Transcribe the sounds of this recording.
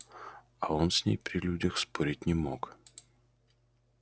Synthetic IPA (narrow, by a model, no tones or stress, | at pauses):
ɐonsʲnʲḛjpɾʲɪlʲudʲəxspoɾʲɪt̚ʲnʲɪmok